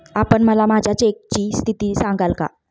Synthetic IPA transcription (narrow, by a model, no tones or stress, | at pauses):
apəɳməlamad͡ʑʱjat͡ɕek̚t͡ɕiːst̪ʰit̪iːsaŋɡalka̰